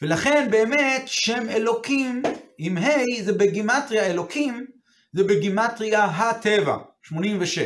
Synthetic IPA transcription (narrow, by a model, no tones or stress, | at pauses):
velaχe̞nbeːmetʃe̞melo̞kimʔimɦejzebeɡimatʁijaelo̞kʰim | zebeɡimatʁiaɦate̞va̰ʃmo̞nimveʃe